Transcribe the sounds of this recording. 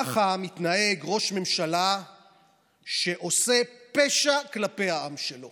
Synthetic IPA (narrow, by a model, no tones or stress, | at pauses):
aχamit̪naeɡʁo̞ʃme̞mʃala | ʃe̞ʔo̞se̞pe̞ʃaklape̞jhaamʃelo̞